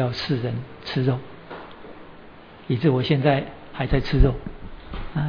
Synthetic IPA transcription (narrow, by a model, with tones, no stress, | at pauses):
jɑ˥˨ʊsɹ̩˥˨ɻə˧˦n | t͡s̩ʰ˥˦ɻo˥˨ʊ | i˨t͡sɹ̩˥˩˨wɔ˨˩ɕjɛ˥˧nt͡sa˥˨ɪ | ha˧˥ɪt͡sa˥˧ɪt͡s̩ʰ˦ɻo˥˨ʊ | a˨